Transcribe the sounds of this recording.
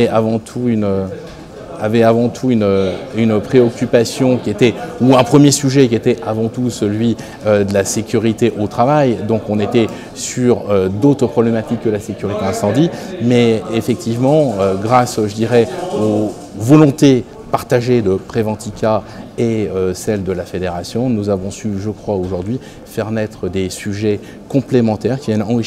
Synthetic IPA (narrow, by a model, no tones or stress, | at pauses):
ɛavɑ̃t̪ʰuynø | avɛavɑ̃t̪ʰuynøynpχeɔkʲypasjɔ̃kʲiet̪ɛuɛ̃pχəmjesyʒɛkʲiet̪ɛʔavɑ̃t̪usəlɥi | ød̪əlasekʲyʁit̪eʔot̪χavajd̪ɔ̃kɔ̃net̪ɛ | syʁød̪ot̪χəpχɔblemat̪ikːəlasekʲyʁit̪eɛ̃sɑ̃d̪imɛefɛk̚t̪ʰivmɑ̃øɡʁasʒəd̪iʁɛo | vɔlɔ̃t̪e | paʁt̪aʒed̪əpχevɑ̃t̪ikʲa | eøsɛld̪əlafed̪eʁasjɔ̃nuzavɔ̃syʒəkχwaoʒuʁd̪ɥi | fɛʁnɛt̪χəd̪esyʒɛ | kɔ̃plemɑ̃t̪ɛʁkʲivjɛnɑ̃ʁi